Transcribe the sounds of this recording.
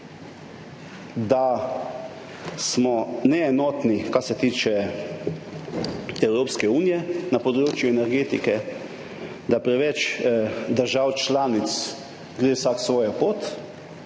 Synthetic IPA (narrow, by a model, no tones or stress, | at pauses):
d̪a | smɔnɛːnɔːt̪nikasɛt̪iːt͡ʃɛ | ɛwɾoːpskɛuːnijɛnapɔd̪ɾoːt͡ʃjuɛnɛɾɡeːt̪ikɛ | d̪apɾɛʋɛt͡ʃd̪əɾʒawt͡ʃlaːnit̪s | ɡɾeːwsaksʋɔːjapoːt̪